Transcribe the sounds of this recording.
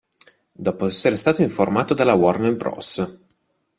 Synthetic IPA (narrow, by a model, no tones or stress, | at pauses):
d̪ɔːpoɛsːeɾest̪aːt̪oiɱformaːt̪od̪alːawɔrnembɾɔ̰s